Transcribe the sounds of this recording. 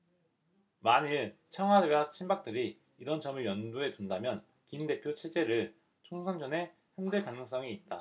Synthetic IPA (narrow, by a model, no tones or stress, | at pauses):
maɲiɭt͡ɕʰʌŋɦwadɯɡat͡ɕʰinbak̚t͈ɯɾiː | ɾʌnt͡ɕʌmɯɭjʌndoe̞tundamjʌn | kinde̞pʰjot͡ɕʰe̞d͡ʑe̞ɾɯɭ | t͡ɕʰoŋsʰʌnd͡ʑʌne̞ | hjʌndɯɭkanɯŋs̬͈ʌŋiːt̚t͈a